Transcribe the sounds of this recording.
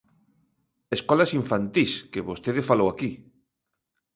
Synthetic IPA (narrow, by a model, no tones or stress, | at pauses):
eskɔlasiɱfant̪iskeβost̪eðefalowaki